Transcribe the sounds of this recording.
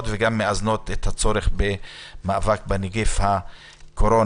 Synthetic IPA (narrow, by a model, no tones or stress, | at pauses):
t̪veɡamːeazno̞t̪et̪hat͡so̞ɾeχbemaʔːvak̚beniɡefha | kʰoɾo